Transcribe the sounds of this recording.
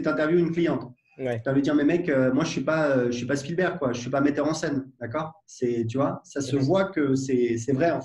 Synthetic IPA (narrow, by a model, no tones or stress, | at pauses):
sɛt̪ɛ̃t̪ɛʁvjuynklijɑ̃t̪ | t̪yɛ̃vid̪d̪iʁmɛmɛkømwaʒəsɥipaøʒəsipasəfilbɛʁkwaʒəsɥipamɛt̪œʁɑ̃sɛnd̪akɔːʁsɛt̪̬yvwasasəvwakəsɛsɛvʁɛɑ̃